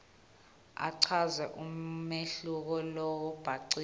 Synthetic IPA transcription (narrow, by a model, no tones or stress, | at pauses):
a̰ǀʰazɛʔumeɬuk̬ɔlɔɔb̥ʱaǀi